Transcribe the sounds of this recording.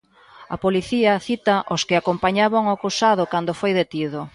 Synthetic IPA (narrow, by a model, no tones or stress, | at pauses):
ɐ̰poliθiɐθit̪ɐʔoskɪakompaɲaβaŋʊakusaðʊkand̪ofojðet̪iðʊ